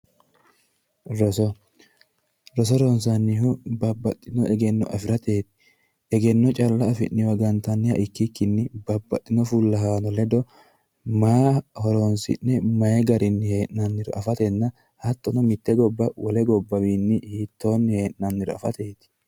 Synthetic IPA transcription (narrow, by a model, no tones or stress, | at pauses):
ɾɔsɔ | ɾɔs̬ɔɾonsɐnːɪhʊbɐbːɐt̪ʼːɪnɔʔɛɡɛnːɔʔɐfɪɾɐt̪e̞ːt̪ɪ̥ | ɛɡɛnːɔt͡ʃʼɐlːɐːfɪnːɪwɐɡɐnt̪ɐnːɪhɐ̰ʔɪkːɪkːɪnːɪbɐbːɐt̪ʼːɪnɔfulːɐɦaːnɔlɛd̪ɔ | maːhɔɾoːnsɪ̰nːɛmɐjɛɡɐɾɪnːɪhe̞ːʔnɐnːɪɾɔʔɐfɐt̪ɛnːɐ | hɐt̪ːɔnɔmɪt̪ːɛɡɔbːɐwɔlɛɡɔbːɐwiːnːɪhit̪ːo̞ːnːɪhe̞ːʔnɐnːɪɾɔɐ̰fɐt̪e̞ːt̪ɪ̥